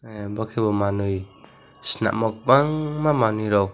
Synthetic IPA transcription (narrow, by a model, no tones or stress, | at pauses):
ebakʰebɔmanɯj | sina̰ʔmɔk̚baŋmamanɯjɾɔw